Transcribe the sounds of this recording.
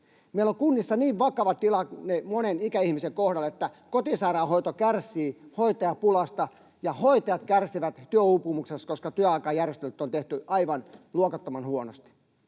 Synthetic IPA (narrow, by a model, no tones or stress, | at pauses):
meiloŋkunːisːɑniːʋʋɑkɑʋɑt̪ilɑkunemonenikæihmiseŋkohdɑlet̪ːæ | kot̪isɑirɑhoit̪okærsˑiːhoit̪ɑjɑpulɑst̪ɑ | jɑhoit̪ɑjɑt̪kærsiʋæt̪t̪yøupːumukseskoskɑt̪yøɑikɑːjærjest̪elyt̪ːont̪eht̪yʔɑiʋɑnluokɑt̪ːomɑnhuonost̪i̥